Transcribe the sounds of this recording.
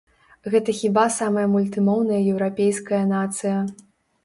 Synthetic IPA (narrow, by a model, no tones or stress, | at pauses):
ɣɛt̪ɐxʲibasamɐjɐmulʲt̪ɨmɔwnɐjɐjɛwɾapʲejskɐjɐnat̪sɨjɐ